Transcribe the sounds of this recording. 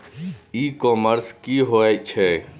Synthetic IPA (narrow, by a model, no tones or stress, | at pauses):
iːkoːməɾskiːɦoːet͡ʃʰɛː